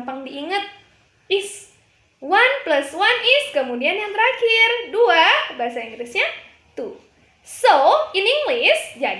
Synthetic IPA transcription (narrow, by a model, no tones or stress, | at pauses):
mpaŋdiiŋət̪̚ | is | wanplaswanɪskəmudianjaŋt̪əɾakɪrduabaɦasaiŋɡlisɲa | t̪u | soiniŋɡlisd͡ʒa